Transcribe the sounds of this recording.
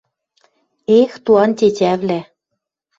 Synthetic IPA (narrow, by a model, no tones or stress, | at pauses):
ext̪uɑnt̪ʲetʲæβlæ